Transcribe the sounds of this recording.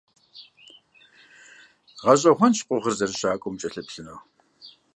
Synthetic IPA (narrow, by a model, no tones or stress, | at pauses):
ʁɐɕ̬ʼɐxʷɔnʃqʷʼʊʁərzɐrɨɕaːkʷʼɔmt͡ʃʼɐɬɐpɬɨnow